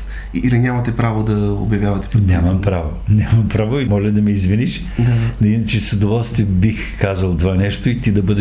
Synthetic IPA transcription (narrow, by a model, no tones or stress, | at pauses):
iilinʲamɐt̪ɛpɾavod̪ɐo̰bjɐvjavɐt̪ɛ̥pɾɛnʲamɐmpɾavonʲamɐmpɾavoimɔlʲɐd̪ɐmɛizviniʃ | d̪ainɐt͡ʃɛsɐd̪ovɔlˠst̪vibix | kazəlˠt̪ovanɛʃt̪oit̪id̪ɐbɤd̪ɛ